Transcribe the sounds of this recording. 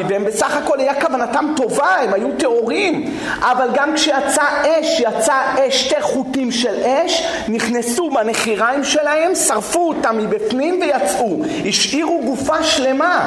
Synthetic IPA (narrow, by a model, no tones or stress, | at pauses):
veembesaχako̞lajakavanatamto̞vaemhajute̞o̞ʁim | ʔavalɡamkʃejat͡saʔeʃjat͡saʔeʃt̪eʁχutimʃeleʃ | niχnesubaneχiʁaimʃe̞lahe̞msaʁfuotamːibifnimvejat͡sʔu | hiʃʔiʁuɡufaʃle̞ma